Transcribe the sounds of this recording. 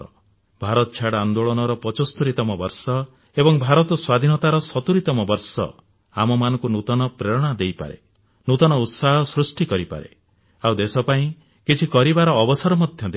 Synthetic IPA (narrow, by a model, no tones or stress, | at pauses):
ɔ | bʱaɾɔt̪ɔt͡ʃʰaɽand̪oɭɔnɔɾɔpɔt͡ʃɔst̪uɾit̪ɔmɔbɔɾsɔ | ebɔŋbʱaɾɔt̪ɔswad̪ʱinɔt̪aɾɔsɔt̪uɾit̪ɔmɔbɔɾsɔ̰ | amɔmanɔ̃ŋkunut̪ɔnɔpɾeɾɔɽ̃ad̪ejpa̰ɾḛ | nut̪ɔnɔut̪saɦɔsɾusʈikɔɾipa̰ɾḛ | awd̪esɔpaĩ | kit͡ʃʰikɔɾibaɾɔːbɔsɔɾɔmɔd̪ʱjɔd̪e